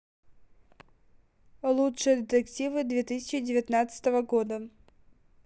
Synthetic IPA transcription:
lˠutʂɨjəd̪ʲɪt̪ʲəktʲivɨd̪vʲet̪ɨsʲɪ̥t͡ɕɪdʲɪvʲɪt̪nat̪sɨ̥t̪əvəɡod̪ə

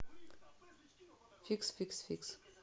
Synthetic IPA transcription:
fiksfiksfiks

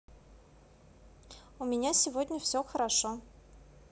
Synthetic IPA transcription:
ʊmʲɪnʲasʲɪvodʲnʲəfsʲɵxəɾaʂo

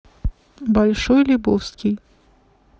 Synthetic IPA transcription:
balʲʂɔjlʲubɔwskʲij

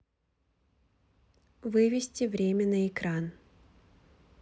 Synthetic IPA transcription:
vɨvʲɪsʲtʲɪvɾʲemʲənəɪkɾan

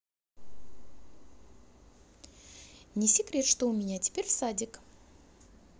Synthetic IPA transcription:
nʲɪsʲɪkɾʲe̞t̪ʂt̪omʲɪnʲat̪ʲʰɪ̥pʲeɾʲsadʲɪk

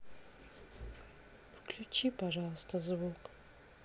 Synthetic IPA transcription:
wkʰlʲut͡ʃʰipaʐalˠst̪ʰɐzvukʼ

